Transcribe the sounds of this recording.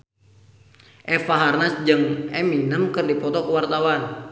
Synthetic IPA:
ʔɛfaɦarnasd͡ʒɨŋʔɛminəmkɨrdipɔt̪ɔkəwart̪awan

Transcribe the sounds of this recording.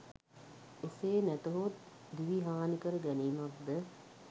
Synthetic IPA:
eseːnæt̪əɦot̪ | d̪iʋiɦaːnikəɾəɡɛniːmak̚d̪ə

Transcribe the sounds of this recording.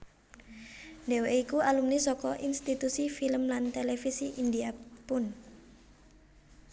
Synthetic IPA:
ɖeweikualumnisɔkɔʔinst̪it̪usifiləmlant̪elefisiʔindiapʊn

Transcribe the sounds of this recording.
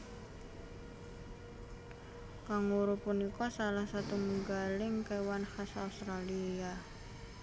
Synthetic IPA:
kaŋuɾupunikɔsalahsat̪umuŋɡalɪŋkewanhasa̰ust̪ɾalia

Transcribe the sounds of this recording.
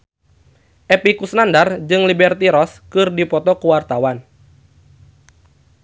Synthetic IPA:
ʔepikusnandard͡ʒɨŋlibɛrt̪iɾɔskɨrdipɔt̪ɔkuwart̪awan

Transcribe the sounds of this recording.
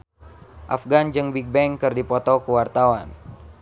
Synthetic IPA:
ʔa̰fɡand͡ʒɨŋbiɡ̚bɛŋkɨrdipɔt̪ɔkəwart̪awan

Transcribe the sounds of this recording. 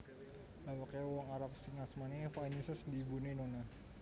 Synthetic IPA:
bawakawaŋaɾap̚siŋasmanifaɲisəsdibuninona

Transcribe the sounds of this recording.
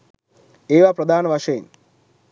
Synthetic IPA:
eːʋapɾɐd̪ʱaːnʋaʃejn

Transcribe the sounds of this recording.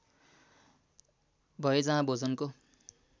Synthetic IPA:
bʱʌjed͡zãɦãbod͡zʌnko

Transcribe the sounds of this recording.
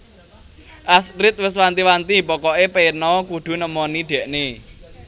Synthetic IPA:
ʔasɾɪt̪̚wɪswant̪iwant̪ipɔkɔʔepenɔkuɖ̪̥ṳnəmɔniɖ̪̥ɛ̤ʔne

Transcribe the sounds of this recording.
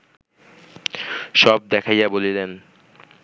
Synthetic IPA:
ʃɔb̚d̪ɛkʰajabolilen

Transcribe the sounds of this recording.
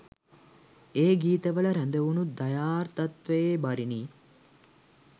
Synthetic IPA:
eːɡiːt̪əʋəɭəɾænd̪əunud̪ajaːrt̪at̪ʋejebaɾiniː

